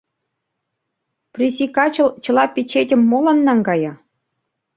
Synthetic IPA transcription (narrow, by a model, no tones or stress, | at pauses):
prʲisʲikɑt͡ɕɤ̆lˠt͡ɕɤ̆lˠɑpʲit͡ɕetʲɘ̆mːolɑnːɑŋɡɑjɑ